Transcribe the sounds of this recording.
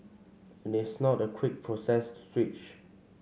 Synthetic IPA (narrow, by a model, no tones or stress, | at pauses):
ɛ̃nɪsnɔtəkʰwɪk̚pʰɹosɛstu̥swit͡ʃ